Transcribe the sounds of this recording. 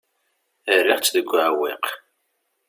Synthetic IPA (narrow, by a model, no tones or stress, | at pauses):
ərːiʁt͡sːðəɡʷːʕwḭq